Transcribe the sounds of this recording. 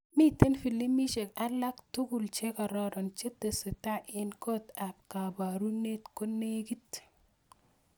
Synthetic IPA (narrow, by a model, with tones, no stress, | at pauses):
mi˦t̪e˦nfi˨lːi˦mi˦ʃe˨ka˦lːa˦kt̪u˦ɡu˨lt͡ʃe˦ka˨ɾa˦ɾont͡ʃe˦t̪ːe˨setaʔenko˦t̪ab̚kabaɾu˦ne˦t̪ko˦nːeɡit̪